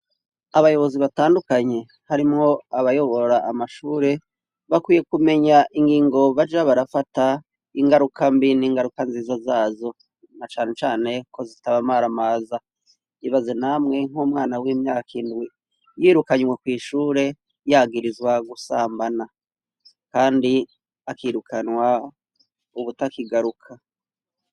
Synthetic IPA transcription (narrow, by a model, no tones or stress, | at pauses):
aβajo̞βo̞ziβataːndukaɲe̞ | haɾimŋo̞aβajo̞βo̞ɾaʔːmaʃuːɾe̞ | βakwiːje̞kume̞ɲaʔiŋɡiːŋɡo̞βad͡ʒaβaɾafata | iŋɡaɾukʰambiniːŋɡaɾukanziːzazaːzo̞ | nat͡ʃaːne̞t͡ʃaːne̞kʰo̞zitaβamaɾamaːza | iβazinamŋe̞ŋ̥huːmŋaːnawiːmɲaːkʰindɡwi | jiːɾukaɲwekwiːʃuːɾe̞ | jaːɡiɾizwaɡusaːmbana | kaːndi | akiːɾukʰanwa | uβutakiɡaɾukʰa